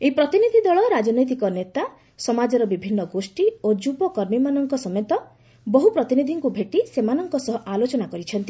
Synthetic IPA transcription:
eipɾɔt̪inid̪ʱid̪ɔɭɔɾad͡ʒɔnɔjt̪̬ikɔnet̪a | sɔmad͡ʒɔɾɔbibʱinːɔɡosʈiod͡ʒupɔkɔɾmimanɔŋkɔsɔmjet̪ɔ | bɔɦupɾɔt̪inid̪ʱiŋkubʱeʈisemanɔŋkɔsɔɦɔʔalot͡ʃɔnakɔɾit͡ʃʰɔnt̪i

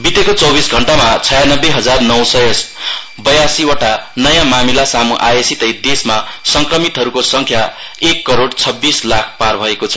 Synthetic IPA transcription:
bit̪ekot͡sʌwbisɡʱʌɳʈamat͡sʰʌjanʌbːeɦʌd͡zarnʌwsʌjs | bʌjasiwʌʈanʌjãmamilasamuʔajesit̪ʌjd̪esmasʌŋkrʌmit̪ɦʌɾukosʌŋkʰja | ekːʌɾoɽt͡sʰʌbːislakʰparbʱʌekot͡sʰʌ̥

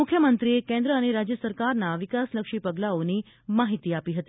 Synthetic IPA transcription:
ukʰːjəmənt̪ɾiekẽnd̪ɾəːɽ̃iɾad͡ʑjəsəɾkaɾnaʋikasləkʂiːpəɡlaoniː | maɦit̪iːapiːɦət̪i

